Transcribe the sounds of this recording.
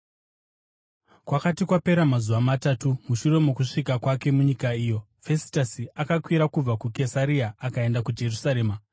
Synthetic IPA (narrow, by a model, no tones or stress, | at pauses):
kwakatikwape̞ɾamazuʋamatatumuʃuɾe̞mokuʂikakwake̞muɲikaiːjo̞ | fe̞si̥tasiakakwiɾakub͡vakuke̞saɾiaːkae̞ndakud͡ʒe̞rusaɾe̞ːma